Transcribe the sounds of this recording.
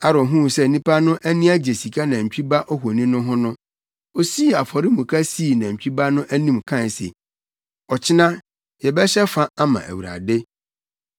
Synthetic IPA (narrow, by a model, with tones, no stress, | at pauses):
a˦ɾɔ˨ɦũ˦˨sɛ˦˨nĩ˦pa˦nʊ̃˦ʔæ˦nĩ˦æ˦d͡ʑe˨si˨kʰa˦nã˨ɲ̩˨t͡ɕᶣi˦ba˦ʔɔ˦ɦo˨nĩ˦nʊ̃˦ɦʊ̃˦nʊ̃˦ | o˨si˦˨a˨fɔ˨ɾɪ˦mũ˨kʰa˦si˦˨nã˨m̩˨t͡ɕᶣi˦ba˦nʊ̃˦ʔæ˦nĩ˦mkʰã˦˨sḛ˨ | ɔ˨t͡ɕʰɪ˦nã˦ | jɛ˨bɛ˦ɕɛ˦fa˦a˦mã̰˨ʔæ̰˨wu˨ɾa̰˨de˦